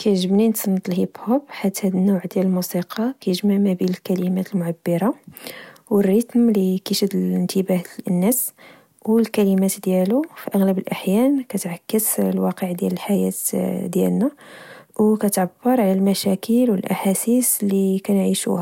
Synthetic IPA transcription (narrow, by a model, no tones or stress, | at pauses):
kæjʕʒəbnint̪snːt̪ˤlhibhʊbħat̪ːhæd̪ənːuʕd̪jæləlmusiqʰɑkæjəʒmaʕmæbiləlkælimæt̪əlmʊʕabːəɾˤɑ | wərːit̪mlikæʃəd̪ələnt̪ʰəbæhənːæs | wəlkælimæt̪d̪jælufiʔəɣləbəlʔaħjænkæt̪ʕakːəslwɑqəʕd̪jæ̰ləlħajæ̰t̪d̪jæ̰lnæwkæt̪ʕabːəɾˤʕalælmæʃækəlwəlʔa̰ħasislːikænʕiʃṵhæ